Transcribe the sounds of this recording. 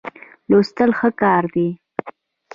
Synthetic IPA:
lost̪əlxəkɑɾd̪i

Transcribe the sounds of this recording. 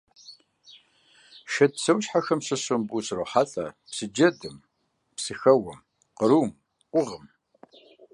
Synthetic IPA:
ʃɐt̚t͡sʰɐwʃħaxɐmsɨɕʊmbusroħaɬʼɐ | psɨd͡ʒɐdɨm | psɨxɐwɐm | qəɾuːm | qʷʊʁəm

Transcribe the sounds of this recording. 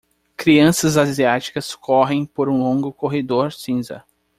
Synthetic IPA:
kɾiɐ̃sɐzaziat͡ʃi̥kɐskʰɔɦẽj̃poɾũlõŋɡʊkoɦed̪oɾsĩzɐ̰

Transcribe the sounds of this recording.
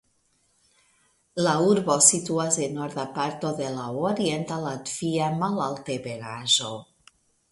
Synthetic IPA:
lauɾbosit̪uazenoɾðapaɾt̪oðelaoɾient̪alat̪v̥iamalalt̪ebeɾaʒo

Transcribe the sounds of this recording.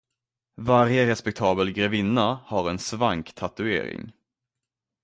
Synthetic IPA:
vaɾjəɾɛspɛk̚t̪ʰɑːbəlɡɾɛvɪnːahaɾɛnsvaŋkt̪ʰat̪ɵḛːɾɪ̰ŋ

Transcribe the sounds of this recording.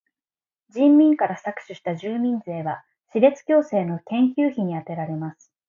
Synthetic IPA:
d͡ʑĩmːʲĩŋkaɾasakɯ̟̥ɕɨɕi̥t̪aʑɨːmʲĩnd͡ze̞ːβa | ɕiɾe̞t͡sɨ̥kʲo̞ːse̞ːno̞t̪ẽ̞ŋkʲɨːçiɲ̟iat̪e̞ɾaɾe̞masɨ̥

